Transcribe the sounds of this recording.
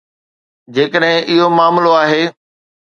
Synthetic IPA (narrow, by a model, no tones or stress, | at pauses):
d͡ʑeːkəɗɦɪ̃ʔɪɦomaːmloaːɦeː